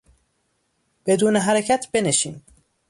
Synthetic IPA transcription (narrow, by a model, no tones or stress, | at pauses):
b̥e̞d̪uːneɦæɾecʰæt̪ʰbe̞neʃiːm